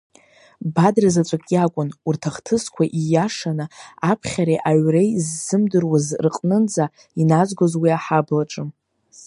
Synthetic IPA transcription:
badrazat͡ʃʷʼakʼjakʷʼʊnurtʰaχtʰɨskʷʰaʔijaʂanɨapʰχʲaɾeʔaɥrejzːɨmdɨrwazrqʼnɨnd͡za | inazʷɡozwiaħablaʈ͡ʂʼɨm

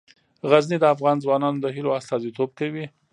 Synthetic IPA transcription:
ɣaznid̪əafɣɑnzwɑnɑnod̪əɦiloast̪ɑzit̪ob̚kawi

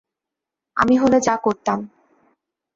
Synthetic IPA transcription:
a̰miɦoled͡ʑakoɾt̪am

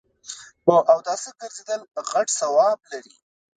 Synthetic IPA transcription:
moʔawd̪ɑsəɡəɾzed̪əlpəɣaʈsawɑb̚laɾḭ

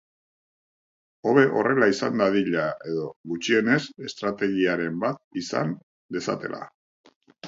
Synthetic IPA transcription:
o̞βe̞ʔo̞re̞laisand̪aðiʎae̞ðo̞ɣut͡ʃie̞ne̞se̞st̪ɾat̪e̞ɣiaɾe̞mbat̪̚isa̰n | d̪e̞sa̰t̪e̞̰lʔa̰

